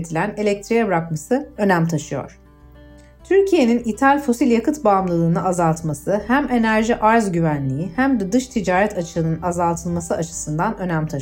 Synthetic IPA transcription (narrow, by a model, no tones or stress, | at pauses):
t̪ʰilʲæne̞lʲɛc̚t̪ʰɾijɛbɾakmasɯø̞næmt̪ʰaʃɯjo̞̰ɾ̥ | t̪ʰyɾcʰije̞ninit̪ʰalʲfo̞silʲjakʰɯt̪bamlˠɯlˠɯːnɯʔazalˠt̪masɯhæme̞næɾʒiʔaɾzɟyvænlʲijihæmd̪ɛd̪ɯʃt̪ʰid͡ʒaːɾɛt̪ʰat͡ʃʰɯɯnɯnazalˠt̪ʰɯlˠmasɯat͡ʃʰɯ̥sɯnd̪anø̞næmt̪ʰa